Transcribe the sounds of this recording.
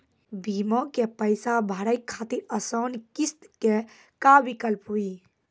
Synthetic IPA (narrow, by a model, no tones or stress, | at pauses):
bimɔkepəjsabʱaɾəjkkʰːat̪iɾəsənkist̪ke | kabikəlpɦui